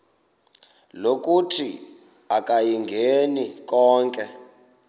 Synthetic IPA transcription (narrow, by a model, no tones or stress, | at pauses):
lok̬ʼutʰi | akʼajiŋɡʱenikɔːŋkʼɛ